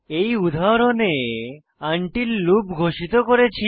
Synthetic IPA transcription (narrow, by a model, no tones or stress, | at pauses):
ejud̪ʱaɾone | aɳʈillubɡʱoʃit̪okoɾet͡ʃʰi